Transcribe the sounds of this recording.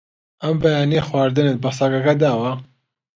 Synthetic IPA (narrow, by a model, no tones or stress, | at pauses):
ɐmbɐjaːneːxwaːɾd̪ɨnɨt̪̚basaːkakɐd̪aːwa